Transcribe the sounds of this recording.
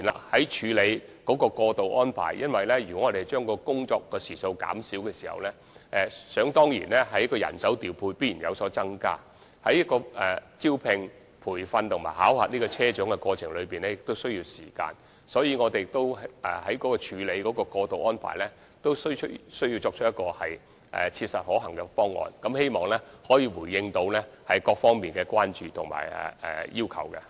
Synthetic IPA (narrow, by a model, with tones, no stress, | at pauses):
i˨˩nla̰ː˨hɐ˨˥jt͡ʃʰyː˨˧le˨˧jkɔː˨˥kɔː˧kɔː˧t̪o˨wʔɔː˥npʰa̰ː˨˩jjɐ˥nwɐ˨jlɛː˥jɥyː˨˩kɔ˨˦˥ŋɔː˧t̪e˨jt͡ʃœː˥ŋkɔː˧kʊ˥ŋt͡ʃɔː˧kːɔː˧siː˨˩so˧wka̰ː˨˥msiː˨˥wkɛː˧siː˨˩hɐ̰˨wlɛ˥ | ʔɛ˨˧sœː˨˥ŋt̪ɔː˥ŋjḭː˨˩nlɛː˥ɦɐ˨˥jkɔː˧jɐ̰˨˩nsɐ˨˥wt̪iː˨˩wpʰuː˧jpiː˥jiː˨˩jɐ̰˨wsɔː˨˥t͡sɐ˥ŋka̰ː˥ | hɐ˨˥jɐ˥kːɔː˧ɛ˨t͡si˥wpʰɪ˧ŋ | pʰuː˨˩jfɐ˧nt̪ʰʊ˨˩ŋma̰ː˨˩jha̰ː˨˥whaː˨t̚niː˥kɔː˧t͡sʰɛː˥t͡ʃœː˨˥ŋkɛ˧kɔː˧t͡ʃʰɪ˨˩ŋlɵ˨˧ɥpiː˨˩nlɛː˥jɪ˨k̚t̪o˥wsɵ˥ɥji˧wsiː˨˩ka̰ː˧n | sɔː˨˥jiː˨˧ŋɔː˨˧t̪e˨jt̪o˥wɛ̰˨˩hɐ˨˥jkɔː˨˥kɔː˧t͡ʃʰyː˨˧˥le˨˧jkɔː˨˥kɔː˧kɔː˧t̪o˨wʔɔː˥npʰa̰ː˨˩jlɛː˥ | t̪o˥wsɵ˥tsɵ˥ɥji˧wt͡sɔː˧k̚ʰtjɐ˥tkɔː˧hɐ˨j | ʔɛ̰ː˨t͡sʰiː˧t̚sɐ˨t̚hɔː˨˥ɦɐ˨˩ŋkɛ˧fɔː˥ŋːɔ̰ː˨nkɐ˨˥mhe˥jmɔː˨˩ŋlɛː˥hɔː˨˥jiː˨˧wuː˨˩jːɪ˧ŋt̪o˨˧wlɛ˥hɐ˨jkɔː˧k̚fɔː˥ŋmiː˨nkɛː˧kʷaː˥nt͡ʃyː˨t̪ʰʊ˨˩ŋma̰ː˨˩jɛ̰˨˩ɛ̰˨˩jiː˥wkʰɐ̰˨˩wkɛ˧